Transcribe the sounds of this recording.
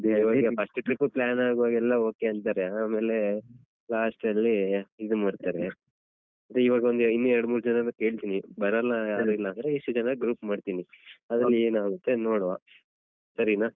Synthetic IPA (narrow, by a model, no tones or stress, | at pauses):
d̪ʋaːɡɐpʰɐsʈʈɾipːplaːnaːɡuʋaːɡɛlːɐo̞ːke̞ɐnt̪aːɾeaːme̞ːle̞ | laːsʈɐlːiid̪umaːɖt̪aːɾe | ɐt̪ɾeiʋaːɡɐo̞nd̪inːuɛɾɐɽɐmuːɾud͡ʒɐnɐnɐke̞ːɭt̪iːnibɐɾɐlːɐjaːɾuilːaːnd̪ɾeiʂʈud͡ʒɐnɐɡɾuːpmaːɖt̪iniɐd̪ɾɐnːeːnaːɡut̪ːe̞noːɽʋa | sɐɾinaː